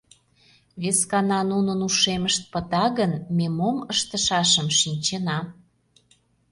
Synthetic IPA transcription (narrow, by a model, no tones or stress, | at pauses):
βeskɑnɑnunənuʃeməʃt̪̚pə̆t̪ɑɣənmemoməʃt̪əʃɑʃəmʃinʲt͡ɕenɑ